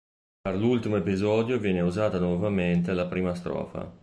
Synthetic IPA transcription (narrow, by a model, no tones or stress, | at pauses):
perlult̪imoepizɔːd̪jovjɛːneuzaːt̪anwɔvament̪elapɾiːmast̪ɾɔ̰ːfa̰